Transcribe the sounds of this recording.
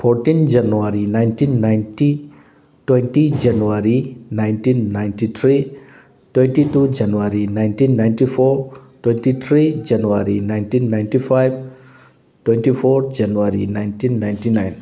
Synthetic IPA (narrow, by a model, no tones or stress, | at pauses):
pʰoɾʈĩnd͡ʒɐnuwaɾinajntinːajnti | twẽntid͡ʒɐnuwaɾinaɪntĩnːajntit̪ʰɾi | twẽnʈitud͡ʒɐnuwaɾinajntĩnːaj̃nʈifʰoɾtwẽnʈit̪ʰɾid͡ʒɐnuwaɾinaɪntinːajntifajb | twẽnʈifʰoɾd͡ʒɐnuwaɾḭnajntĩnːajnʈinajn